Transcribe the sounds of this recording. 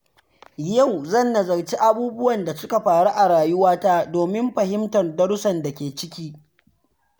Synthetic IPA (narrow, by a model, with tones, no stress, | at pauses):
jɐ˦˨wzɐ˦˨nːɐ˨zɐ˨ɽt͡ʃi˦ʔa˦buː˦bʊ˦wɐ˨nda˨sʊ˦ka˨ɸaː˨ɽu˦ʔa˨ɽaː˨jʊ˦waː˦taː˦doː˨mɪ˦mɸɐ˨hɪ˦mtɐ˨rdɐ˦ɽʊ˦sɐ˨nda˨kʲeː˨t͡ʃɪ˦kʲiː˦